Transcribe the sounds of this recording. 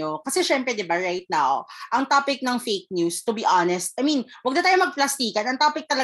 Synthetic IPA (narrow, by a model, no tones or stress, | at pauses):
okɐsɛʃɛmpɾɛd̪ɪbaɹajt̪̚nawʔɐŋt̪apɪk̚nɐŋfejk̚njust̪ʊbiʔanɛst̪̚ʔɐjminwɐɡ̚d̪ɐt̪aːjomɐɡ̚plɐst̪iːkɐnɐŋt̪apɪk̚t̪ɐlɐ